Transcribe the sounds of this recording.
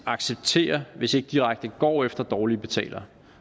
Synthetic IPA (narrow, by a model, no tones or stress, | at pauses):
ɑ̈ɡ̥seb̥̚t͡sʰe̝̰ːɐʋe̝se̝ɡ̥əd̥iʁaɡ̥̚d̥əɡ̥ɒ̰ːefd̥ɐd̥ɒːlib̥e̝t͡sʰɛ̰ːlʔɐ